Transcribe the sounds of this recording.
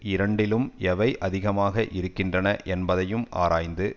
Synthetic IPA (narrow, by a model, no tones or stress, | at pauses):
ɪɾɐɳɖɪlɯmɛʋɐɪʔʔɐðɪɣɐmaːɣɐʔɪɾɯkːɪndrɐnɐʔɛnbɐðɐjɯma̰ːɾaːjnd̪ɯ